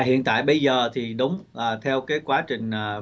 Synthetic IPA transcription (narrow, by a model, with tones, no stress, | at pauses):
ɦḭ˧˨ənt̪a̰ː˧˨jɓə˧jzəː˨˩t̪ʰi˨˩ɗʊ˨˦ŋ͡mʔaː˨˩t̪ʰɛ˧wkaː˨˦jkwaː˨˦t͡ɕï˨˩ŋ̟ː˨˩